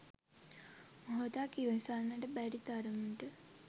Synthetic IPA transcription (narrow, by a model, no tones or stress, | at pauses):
moɦot̪akiʋesanːəʈəbæɾit̪aɾəmuʈə